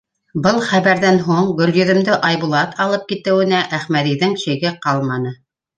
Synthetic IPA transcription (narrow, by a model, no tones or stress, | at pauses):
bɤlˠχæβæɾðænɦuɴɡɵ̆ljɵ̆ðɵ̆md̪ɘʔɑjβulˠɑt̪ɑlˠɤp̚kit̪ɘ̆wɘ̆næʔæχmæðiðɘŋʃɘ̆jɡɘqɑlˠmɑnɤ